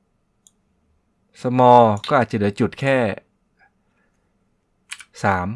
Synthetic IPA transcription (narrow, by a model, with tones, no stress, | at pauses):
sa˧mɔː˧kɔː˥˩ʔaː˨˩t͡ɕa˨lɯ˩˦t͡ɕu˨˩t̪̚kʰɛː˥˩ | saː˩˦m